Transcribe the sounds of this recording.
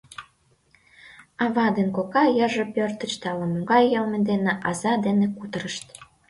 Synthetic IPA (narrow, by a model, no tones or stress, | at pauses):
ɑβɑd̪enkokɑjəʒĕpørt̪ə̆t͡ɕt̪ɑləmuɡɑjːəlmed̪eneʔɑzɑd̪enekut̪əɾəʃt̪